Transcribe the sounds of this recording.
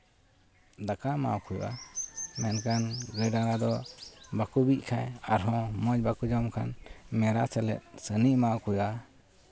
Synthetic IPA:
d̪akama̰ʔkujʔamɛnkanɾɛɖaɾad̪ɔbakubic̚kʰajaɾɦɔ̃mɔd͡ʒ̚bakud͡ʒɔmkʰanmɛɾasɛlɛ̰t̪̚ˀsəniʔmaʔkuja

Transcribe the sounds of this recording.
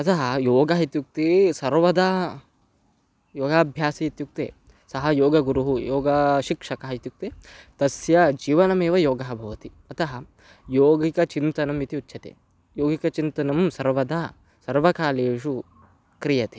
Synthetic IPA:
ɐt̪ɐɦɐjoːɡɐɦit̪juk̚t̪isɐɾʋɐd̪ɐ | joːɡaːbʱjaːsiit̪juk̚t̪ḛː | sɐɦɐjoːɡɐɡuɾuɦujoːɡɐʃikʂɐkɐɦɐit̪juk̚t̪eːt̪ɐsjɐd͡ʒiːʋɐnɐmeːʋɐjoːɡɐɦɐbʱɐʋɐt̪i | ɐt̪ɐɦɐ | joːɡikɐt͡ʃint̪ɐnɐmit̪iutːʃʰɐt̪ḛ | joːɡikɐt͡ʃint̪ɐnɐmsɐɾʋɐd̪ɐ | sɐɾʋɐkaːleːʂu | kɾijɐt̪e̥

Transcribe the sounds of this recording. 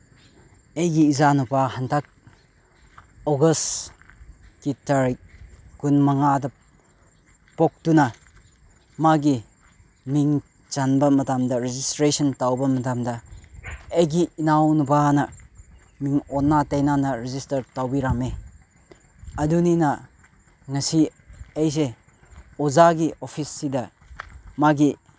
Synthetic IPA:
ejɡiːzanupahɐntʰak̚ | oɡɐs | kitaɾik̚kunmɐŋadɐ | pok̚tunɐ | maɡi | miŋ | t͡ʃanbɐmɐtamdɐɾezistɾesɐntawbɐmɐtamdɐ | ejɡiːnawnubanɐ | miŋɔnːatɐjnanɐɾizistɐɾtawbiɾame | ɐduninɐ | ŋɐsi | ejs̬e | ozaɡiʔopʰisːidɐ | maɡi

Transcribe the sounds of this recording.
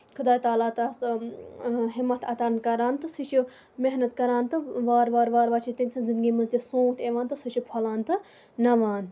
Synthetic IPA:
kʰud̪aːt̪aːlaːt̪ɐ | ɦimːɐt̪ʰɐt̪aːɾnkɐɾaːnt̪ɨsiʃu | meɦnɐt̪kɐɾaːnt̪ɨʋaːɾʋaːɾʋaːɾʋaːt͡ʃʰit̪inʲsʰɐnzind̪ɡʲiːmɐzt̪isõːt̪ʰeːʋãːnt̪ɨsɨt͡ʃʰupʰɐlaːnt̪ɨ | nɐʋaːn

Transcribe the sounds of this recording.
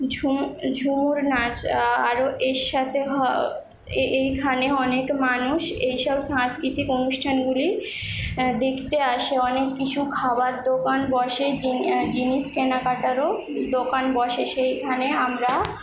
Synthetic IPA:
ud͡ʑʱumuɾnat͡ɕaɾoʔeʃat̪ʰeɦɔ | ejkʰaneɔnekmanuʃejʃɔbʃãŋskɾit̪ikonuʃʈʰanɡuli | d̪ekʰt̪eaʃeɔnekːit͡ɕʰukʰabaɾd̪okanbɔʃed͡ʑiniʃkenakaʈaɾo | d̪okanbɔʃeʃejkʰaneamɾa

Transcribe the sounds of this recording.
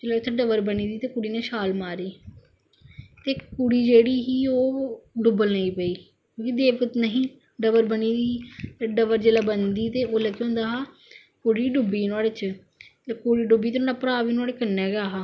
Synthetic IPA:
d͡ʒeːlaːʊt̪ʰeɖəʋəɾbəniːd̪iːt̪eːkʊɽiːnẽːʃaːlmaːɾiː | t̪eːkuɽiːd͡ʒeːɽiːɦiːoːɖʊbəlnəiːpəiː | kjõːkid̪eːʋkət̪nəɦĩː | ɖəʋəɾbəniːd̪iːɖəʋəɾd͡ʒeːlaːbənd̪iːt̪eːoːlɛɡeɦõːnd̪aːɦaː | kʊɽiːɖʊbiːnaːɽeːt͡ʃ | t̪ːkuɽiːɖʊbːiːt̪ːnːlaːpɾaːʋiːnʊaːɽeːkəɾnːɛːɡaːɦaː

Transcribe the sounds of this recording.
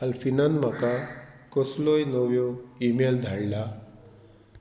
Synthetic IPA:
alfinanmakakɔslojnɔwjɔimeld̪ʱaɽla

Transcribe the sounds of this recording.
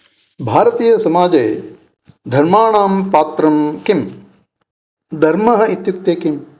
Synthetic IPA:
bʱaːɾɐt̪iːjɐsɐmaːd͡ʒeː | d̪ʱɐɾmaːɳaːmpaːt̪ɾɐmkim | d̪ʱɐɾmɐɦɐit̪juk̚t̪eːkim

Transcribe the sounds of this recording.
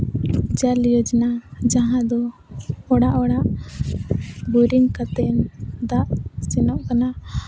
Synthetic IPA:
d͡ʒaljɔd͡ʒnad͡ʒaɦãd̪ɔɔɽaʔɔɽaʔ | buɾiŋkat̪ɛnd̪aʔsɛnɔʔkana

